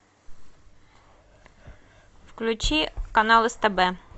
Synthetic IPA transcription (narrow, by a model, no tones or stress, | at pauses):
fklʲʉt͡ɕikɐnalˠɨst̪ɛbɛ